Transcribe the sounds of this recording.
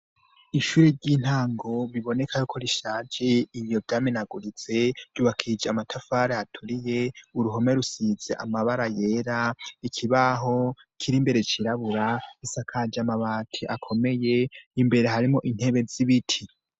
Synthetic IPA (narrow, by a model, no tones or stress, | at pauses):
iʃuːɾeɾɟiːn̥haːŋɡo̞βiβo̞ne̞kʰajokʰo̞ɾiʃaːd͡ʒeiβjo̞vjaːmenaɡuɾize̞ɾɟuːβakʰid͡ʒeamatʰafaːɾeatʰuɾije̞uɾuɦo̞me̞ɾusizḛʔa̰maβaɾaje̞ɾaikʰiβaɦo̞ | kʰiɾimbe̞ɾe̞t͡ʃiɾaβuɾaisakʰad͡ʒamaβaːtʰiʔakʰo̞me̞je̞imbe̞ɾe̞ɦaɾimo̞ʔin̥he̞βe̞ziβitʰi